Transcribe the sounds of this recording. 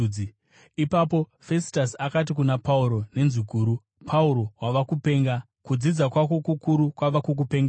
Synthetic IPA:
i | ipap̬o̞fe̞si̥tasakat̬ikunapauɾo̞ne̞nzikuːɾu | pʰauɾo̞waʋakupe̞ːŋɡa | kud͡zid͡zakwako̞kukuɾukwaʋakuk̬upe̞ŋɡa

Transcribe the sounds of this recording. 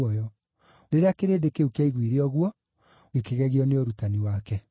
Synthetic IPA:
ɔjɔ | ɾeɾeakeɾedekeukaiɣwiɾeɔɣwɔ | ekeɣɛɣiɔneoɾutaniwakɛ

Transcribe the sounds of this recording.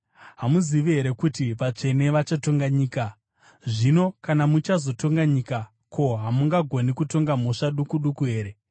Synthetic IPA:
ɦamuziʋiɦe̞ɾe̞kutiʋat͡ʂe̞ne̞ʋat͡ʃato̞ŋɡaɲiːka | ʐino̞kanamut͡ʃazo̞to̞ŋɡaɲiːka | kʰo̞ɦamuŋɡaɡʱo̞nikuto̞ŋɡam̤oʂaɗukuɗukuɦe̞ːɾe̞

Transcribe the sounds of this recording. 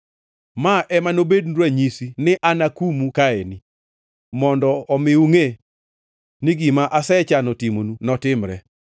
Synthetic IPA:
maʔɛmanobedndwaɲisinɪʔanakumukaeni | mɔndɔːmɪuŋe | niɡimaʔasɛt͡ʃanotimonunɔtɪmɾɛ

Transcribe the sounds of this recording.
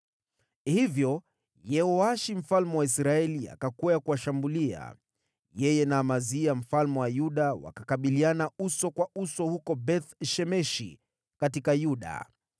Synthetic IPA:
hivjɔ | jɛhɔaʃim̩falmɛwaisɾaɛlia̰kakuajakuwaʃambulia̰ | jɛjɛnaːmaziam̩falmɛwajuɗawa̰kakaɓilianausɔkwaʔusɔhukɔbɛθʃɛmɛʃḭ | katikajuɗa̰

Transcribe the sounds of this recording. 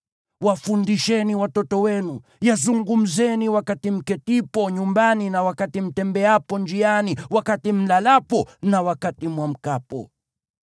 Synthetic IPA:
wafundiʃɛniwatɔtɔwɛnu | jazuŋɡum̩zɛniwakatim̩kɛtipɔɲumbaninawakatim̩tɛmbɛapɔnd͡ʒianiwakatim̩lalapɔnawakatimwam̩kapɔ̰

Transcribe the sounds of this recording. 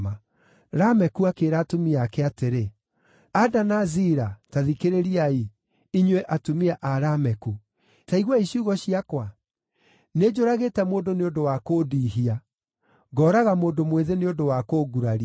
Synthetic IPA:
ma | ɾamɛkuakeːɾaːtumiakɛateɾe | adanaziɾataðikeɾeɾiai | iɲwɛʔatumiaʔaɾamɛku | taiɣwaiɕuːɣɔɕiakwa | ned͡ʑoɾaɣeːtɛmoːndoneodowakoːdiːɦia | ɡɔːɾaɣamoːndomweðeneodowakoːɡuɾaɾi

